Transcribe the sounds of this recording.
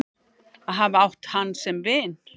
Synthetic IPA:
aðɦavɪawht̪hanːsɛmvɪːn

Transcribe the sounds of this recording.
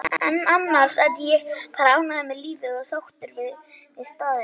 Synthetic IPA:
ɛnːanːaɾ̥saðjɛfaɾaːwnaðɛmːɛliːvɪðɔɣsawxt̪ʏɾvɪð | vɪðst̪aːðɪ

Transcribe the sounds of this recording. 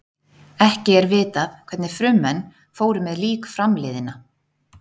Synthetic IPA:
ɛhcɪɛɾvɪːt̪aθkʰvɛɾt̪nɪfɾʏmːɛnː | foːwɾʏmɛðliːkfɾamleːðɪna

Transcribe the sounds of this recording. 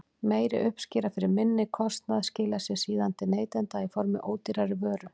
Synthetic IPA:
meːjɾɪ̰ʔʏhpscɪːɾafɪɾɪɾmɪnːɪkʰɔst̪naðscɪːlasɛsiːðant̪ɪneːjt̪ɛnt̪aifɔɾmɪ̰ʔoːwt̪ɪɾaɾɪvœːɾʏ

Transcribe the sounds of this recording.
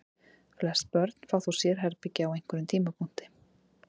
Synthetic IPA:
flɛst̪pœɾt̪n̥faːwθusjɛɾ̥ɦɛɾpɪcːɪawejŋ̥kvʏɾʏmt̪ʰiːmapʰun̥t̪ɪ̥

